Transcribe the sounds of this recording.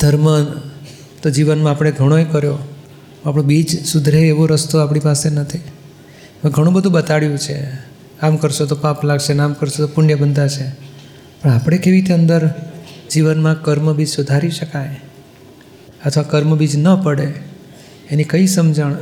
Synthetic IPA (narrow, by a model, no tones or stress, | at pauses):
d̪ʱəɾmə | t̪od͡ʒiʋənmãapɽ̃eɡʱəɽ̃oekəɾjõ | apɽõbid͡ʒsud̪ʱɾeːʋoɾəst̪oapɳ̃ipasenət̪ʰi | mə̃ɡʱəɽ̃ũbəd̪ʱũbət̪aɭjũt͡ʃʰe | kamkəɾʃot̪opãplaɡʃenamkəɾʃot̪opuɳjəbənd̪at͡ʃʰe | pəɳ̃apɽ̃ekeʋit̪eənd̪əɾd͡ʒiʋənmãkəɾməbid͡ʒsud̪ʱaɾiʃəkaj | ət̪ʰʋakəɾməbid͡ʒnəpəɽe | enikəisəmd͡ʒəɳ